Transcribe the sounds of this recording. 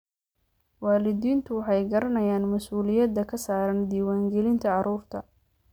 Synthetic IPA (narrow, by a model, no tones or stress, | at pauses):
waːlɪd̪iːnt̪ʰʊwɑħɑjɡɐɾɐnɐjaːnmɐsuːlɪjɐd̪ːɐkʰɐsaːɾɐnd̪iːwaːŋɡɛlɪnt̪ʰɐʕɑɾuːrt̪ʰɐ